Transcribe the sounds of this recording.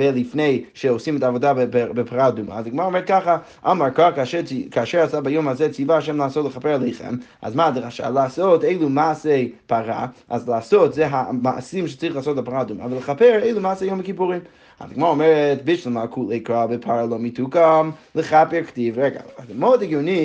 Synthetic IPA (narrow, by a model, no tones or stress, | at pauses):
vɛlˠifnejʃɛosimɛtavodabɪpʰaʁaduma̰ːzaɡɪmaɾaomɛɹt̚kaχa | ʔamaɹkakaʃɛkʰaaʃɛɹasabajomhazɛt͡sivaaʃ̬ɛmlˠəasotlˠəχapɛɹalˠeɪχɛ̰ma̰zmadʁaʃa̰laasoteɪlˠumasejpʰaʁa̰ʔazlɪasotzɛɦama̰simʃɛ̥t͡sʁiχlˠaːs̬otapaʁadumaavalˠəχapɛɹeɪlˠumaːsejomakipuʁĩm | a̰zdaɡmaɾaomɛɾɛtbɪʃvilˠmalˠkʰulˠeikɾabɪpʰaɾalˠomitʰukamləχapɛɹktivɾɛɡa̰adɪmodaɡjoni